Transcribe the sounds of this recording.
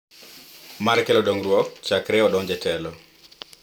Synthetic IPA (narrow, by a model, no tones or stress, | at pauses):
maɾkɛlɔdoŋɾwɔk̚t͡ʃakɾɛɔdɔɲd͡ʒɛtɛlɔ